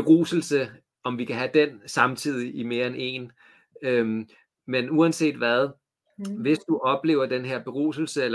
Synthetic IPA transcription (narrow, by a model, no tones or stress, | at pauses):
b̥e̝ʁṵːsl̩sə | ɒ̽mʋikʰæɦæd̥ensɑ̈mt͡sʰið̞̰ˠiʔime̝ːɐene̝̰ːn | øm | menuænse̝̰ːd̥ʋæð̞ˠ | ʋe̝sd̥uʔɒ̽b̥le̝̰ːʊɐd̥enɦe̝ɐ̰b̥e̝ʁṵːsl̩səelɐ